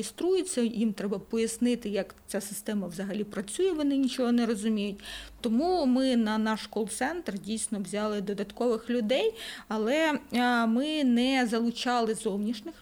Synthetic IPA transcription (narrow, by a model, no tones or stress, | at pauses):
ɪst̪ɾujɪt͡sʲːɐjimt̪ɾɛbɐpɔjɐsnɪt̪ɪjɐkt͡sʲasɪst̪ɛmɐʋzɐɦɐlʲipɾɐt͡sʲujɛʋɔnɪnʲit͡ʃɔɦɔnɛɾɔzʊmʲijʊtʲt̪ɔmumɪnɐnɑʃkɔlˠt̪sɛnt̪rdʲijsʲnɔʋwzʲɑlˠɪd̪ɔd̪ɐt̪kɔʋɪxlʲʊd̪ɛjɐlˠɛ | mɪnɛzɐlˠʊt͡ʃɑlˠɪzɔwnʲiʃnʲɪx